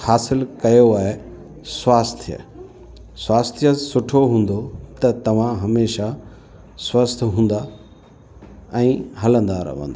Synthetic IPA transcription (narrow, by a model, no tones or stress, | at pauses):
haːsɪlkɐjoaːɦe | swaːst̪ʰijə̰ | swaːst̪ʰijəsʊʈʰoɦũːn̆d̪ot̪ɐt̪ɐʋ̤ãɦɐmeːʃa | swɐst̪ʰɦũːn̆d̪a | ɛ̃ːɦɐlə̃nd̪aɾɐ̰ʋ̤ə̰̃nd̪a